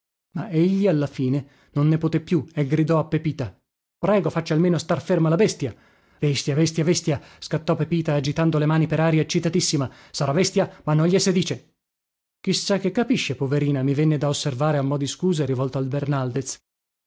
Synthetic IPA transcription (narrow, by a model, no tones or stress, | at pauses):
maeʎːialːafiːne | nonːepot̪epːjueɡɾid̪ɔapːepiːt̪a | pɾɛːɡofat͡ʃːalmeːnost̪arfermalabɛst̪ja | vɛst̪javɛst̪javɛst̪jaskat̪ːɔpepiːt̪aːd͡ʒit̪and̪olemaːnipeɾaːɾjaet͡ʃːit̪at̪isːima | saɾavɛst̪jamanːɔɲʎːesed̪iːt͡ʃe | k̟isːak̟ːekːapiʃːepoveɾiːnamivɛnːed̪aosːervaːɾeaumːɔːd̪iskuːzeɾivɔlt̪oalbernald̪et̪s